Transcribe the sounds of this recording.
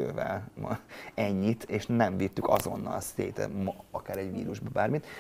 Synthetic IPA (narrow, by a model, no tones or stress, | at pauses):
øːvɛ̰lmɛɲːit̪ʰeːʃnɛɱvit̪ːykɒ̰zo̞nːɒlseːt̪ɛ̰mɒkaːɾɛɟʋiːɾuʒbɒbaːrmit̪